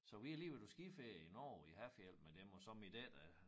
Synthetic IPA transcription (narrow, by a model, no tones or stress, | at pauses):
sɒ̽ʋiæliʋed̥usɡ̥ifeinɒ̰ːihæfjel̰̥med̥emɒ̽sɒ̽mid̥ed̥æ